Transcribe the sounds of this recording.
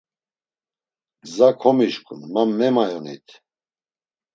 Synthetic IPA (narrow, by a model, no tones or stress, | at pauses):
ɡzakʰɔmiʃkʼṵnmamːɛmajɔnḭt̪ʰ